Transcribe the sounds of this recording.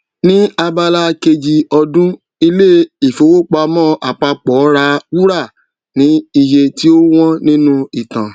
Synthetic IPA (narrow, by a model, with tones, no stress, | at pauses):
nĩ˦a˧ba˧la˦ke˧d͡ʒi˧ɔ˧dũ˦ | i˧le˦i˨fo˨˦wo˦k͡pa˧mɔ̃˦˨ʔa˨k͡pa˧k͡pɔ˨˦ɾa˧wu˦ɾa˦˨ | nĩ˨˦i˧je˧ti˦o˦w̃ɔ̃˦nĩ˦nũ˦i˦˨tã˨